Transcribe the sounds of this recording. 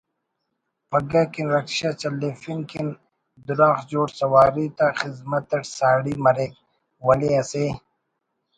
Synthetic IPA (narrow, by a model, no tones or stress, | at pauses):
pɐɡakinɾɐkɕat͡ɕɐldefinkin | d̪uɾaːxd͡ʑoːʈsɐwaːɾit̪axizmɐt̪ːɐʈsaːɽimɐɾek | wɐliɐseː